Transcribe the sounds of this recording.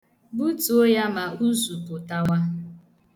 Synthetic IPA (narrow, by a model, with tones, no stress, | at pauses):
bu˦tu˨o˦ja˦ma˨u˦zu˨pʊ˨ta˨wa˦